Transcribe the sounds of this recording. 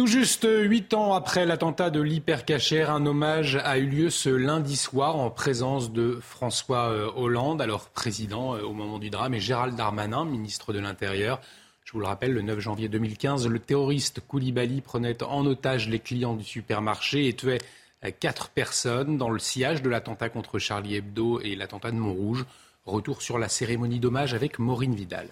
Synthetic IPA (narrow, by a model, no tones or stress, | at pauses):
t̪uʒyst̪ɥit̪ɑ̃apχɛlat̪ɑ̃t̪ad̪əlipɛʁkaʃɛʁɛ̃nɔmaʒayljøsəlɛ̃d̪iswaʁɑ̃pχezɑ̃sd̪əfχɑ̃swaøɔlɑ̃d̪alɔʁpχezid̪ɑ̃øomɔmɑ̃d̪yd̪ʁameʒeʁald̪aʁmanɛ̃minist̪χəd̪əlɛ̃t̪eʁjœːʁ | ʒ̥əvuləʁapɛlːənœfʒɑ̃vjed̪ømilkʲɛ̃zlət̪eʁɔʁist̪kulibalipχənɛt̪ɑ̃not̪aʒleklijɑ̃d̪ysypɛʁmaʁʃeːt̪ɥɛ | kat̪χə̥pɛʁsɔnd̪ɑ̃ləsjaʒd̪əlat̪ɑ̃t̪akɔ̃t̪χəʃaʁliɛb̚d̪oelat̪ɑ̃t̪ad̪əmɔ̃ʁuʒ | ʁət̪uʁsyʁlaseʁemɔnid̪ɔmaʒavɛkmɔʁinvid̪a̰l